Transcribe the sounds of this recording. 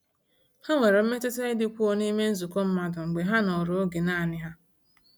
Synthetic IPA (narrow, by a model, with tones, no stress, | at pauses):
ha˦ŋʷe˨ɾe˨m̩˦me˦tɪ˦te˦ɪ˦dɪ˨kʷu˦o˨ni˦me˦n̩˦zu˨kɔ˦m̩˦ma˨dʊ˨ŋ͡m̩˨ɡ͡be˨ɦa˦nɔ˨ɾo˨o˦ɡe˨naː˦a˨nɪ˦ɦa˦